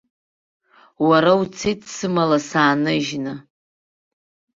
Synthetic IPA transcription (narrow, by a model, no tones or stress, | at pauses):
waɾawt͡sʰetʰsɨmalasaːnɨʒnɨ